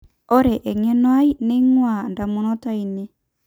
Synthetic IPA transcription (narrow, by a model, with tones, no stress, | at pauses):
ɔ˦ɾɛ˨ʔɛ˨ŋɛ˦nwa˦i˦ne˦ŋwa˨nda˨mu˨nɔ˦ta˦i˨ne˦